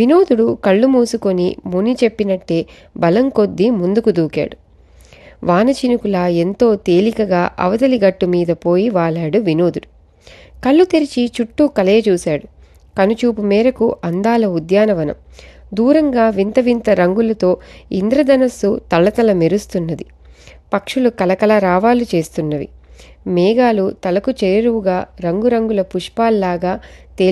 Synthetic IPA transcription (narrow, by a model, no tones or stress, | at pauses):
ʋino̞ːd̪uɽukɐɭːumuːsukonimunit͡ʃe̞pːinɐʈːe̞ː | bɐlɐŋko̞d̪ːimund̪ukud̪uːka̰ːɽu | ʋaːnɐt͡ʃinukulɐːe̞nt̪o̞ːt̪e̞ːlikɐɡaːʔɐ̰ʋɐd̪ɐliɡɐʈːumiːd̪ɐpo̞ːjiʋaːɭaːɽuʋino̞ːd̪uɽu | kɐɭːut̪eɾit͡ʃit͡ʃuʈːukɐleːɐt͡ʃuːsaːɽu | kɐnut͡ʃuːpumɛːɾɐkuʔɐnd̪aːlɐud̪jaːnɐʋɐnɐ̰md̪uːɾɐŋɡaːʋint̪ɐʋint̪ɐɾɐŋɡulɐt̪o̞ːind̪ɾɐd̪ɐnɐsut̪ɐɭːɐt̪ɐlɐmeɾust̪unːɐd̪i | pɐkʂulukɐlɐkɐlɐɾaːʋaːlut͡ʃe̞ːst̪unːɐʋḭ | mɛːɡaːlut̪ɐlɐkut͡ʃejɐɾuwuɡaːɾɐŋɡuɾɐŋɡulɐpuʂpaːllaːɡaːt̪eː